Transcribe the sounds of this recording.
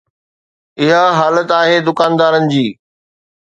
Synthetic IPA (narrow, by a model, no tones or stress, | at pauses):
ɪɦaɦaːlət̪aːɦeːd̪ʊkaːnd̪aːɾənɪ̆d͡ʑiː